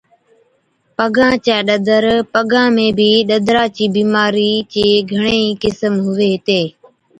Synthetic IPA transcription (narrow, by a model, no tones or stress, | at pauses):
pəɡãːt͡ʃɛːɗəd̪ʱəɾpəɡãːmẽːbʱiːɗəd̪ʱɾaːt͡ʃiːbiːmaːɾiːt͡ʃeːɡʱəɳ̃eːiːkɪsəmɦʊʋeːɦɪt̪eː